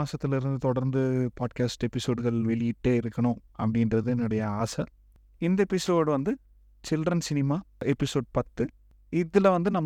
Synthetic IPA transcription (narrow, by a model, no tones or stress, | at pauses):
aːsɐt̪ːɪlɪɾɯnd̪ɯt̪ɔɽɐɾnd̪ɯpaːɖkaːsʈɛpːɪsoːɖɯɣɐɭʋɛɭɪjɪʈːeːɪɾɯkːɐɳʊ̃ɐ̰pːɐɽɪndrɐðɯɛnːɯɽɐjɐaːsɐ | ɪnd̪ɐɛpɪsoːɽʋɐnd̪ɯ | t͡ʃɪldrɐnsɪnɪmaːɛpːɪsoːɖpɐt̪ːɯ | ɪðɪlɐʋɐnd̪ɯnɐmː